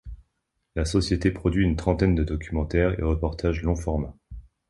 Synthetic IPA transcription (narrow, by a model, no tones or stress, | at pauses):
lasɔsjet̪epχɔd̪ɥiynt̪χɑ̃t̪ɛnd̪əd̪ɔkʲʰymɑ̃t̪ɛʁḛʁəpɔʁt̪ʰaʒlɔ̃fɔʁma